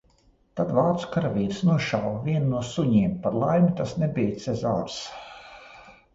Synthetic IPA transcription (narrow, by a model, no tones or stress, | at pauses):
t̪ad̪vaːɾt̪su̥kaɾavʲiːɾsnuɔʃawvʲiɛnnuɔsuɲiːmpaɾlˠajmʲit̪asnɛbijt̪sɛzaːɾs